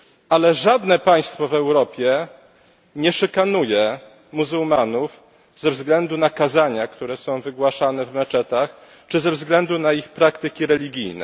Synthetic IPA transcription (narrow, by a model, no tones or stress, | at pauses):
ʔalɛʐad̪nɛpaj̃st̪fɔvɛwɾɔpʲjɛ | ɲɛʂɛkanujɛ | muzuwmanuf | zɛvzɡlɛnd̪unakazaɲakt̪uɾɛsɔ̃w̃vɘɡwaʂanɛvmɛt͡ʂɛt̪ax | t͡ʂɘzɛvzɡlɛnd̪unaixpɾakt̪ɘkʲiɾɛlʲiɡʲijnɛ̰